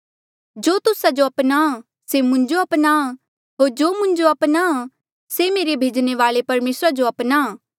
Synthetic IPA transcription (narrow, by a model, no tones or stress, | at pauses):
d͡ʒoːt̪ʊsad͡ʒoɐpna | semʊ̃ɲd͡ʒoɐpna | ɦoːɾd͡ʒoːmʊ̃ɲd͡ʒoɐpnaa | semeːɾebʱeːd͡ʒneʋaːlepɐɾmeːsɾad͡ʒoɐpnaː